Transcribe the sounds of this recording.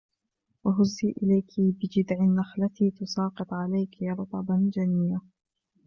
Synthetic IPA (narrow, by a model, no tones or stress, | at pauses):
waɦʊzːiːʔɪlajkʰibɪd͡ʒɪd̪ʕɪnːaxlat̪iːt̪ʊsɑːqɨt̪ˤʕalajkɾˤɑt̪ˤɑbad͡ʒanɪjːa